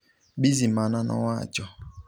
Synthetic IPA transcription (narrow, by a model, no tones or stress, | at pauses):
bizimananʔɔ̰ŋʷa̰d͡ʒɔ